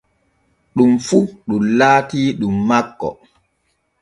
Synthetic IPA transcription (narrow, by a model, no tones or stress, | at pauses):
ɗumfuɗumlaːtiːɗumːakːɔ̰